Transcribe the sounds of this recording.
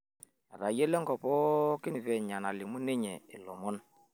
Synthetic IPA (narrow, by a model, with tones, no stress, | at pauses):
ɾa˨je˦lɛ˦ŋɡɔ˨pɔ˦ki˦ni˨vɛ˨ɲa˨na˨li˨mu˦ne˦ɲɛ̰˨i˨lɔ̰˨mɔ˦n